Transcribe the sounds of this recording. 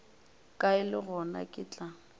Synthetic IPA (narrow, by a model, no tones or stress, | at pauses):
kʼaɪlɪɣɔna̰kʼɪt͡ɬʼa